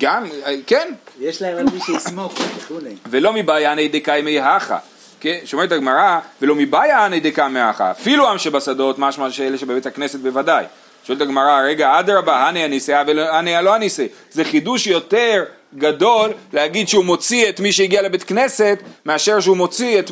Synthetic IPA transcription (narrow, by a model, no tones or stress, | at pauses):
ɡamkenjeʃlaemalmiʃusmoχdulvelo̞mibajaanejd̪ekajmejɦaχa̰ | keʃomeletaɡmaʁave̞lo̞mibajaanejd̪ekamehaχa̰ːfiluamʃebasado̞tmaʃmaʃeeleʃebebetakne̞se̞t̪̚be̞vadaj | ʃoelt̪aɡmaʁaʁe̞ɡaad̪ʁabaɦanianiseavelanialohanisezeχiduʃjo̞te̞ʁ | ɡado̞lːehaɡid̪ʃeumo̞t͡siet̪miʃeiɡialebet̪kne̞se̞t̪meaʃe̞ʁʃeumo̞t͡siet̪